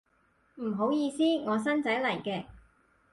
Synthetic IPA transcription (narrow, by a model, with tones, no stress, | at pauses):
m̩˨˩ɦo˨˥wjiː˧siː˥ŋɔː˨˧s̬ɐ˥nt͡sɐ˨˥jlɐ˨˩jkɛː˧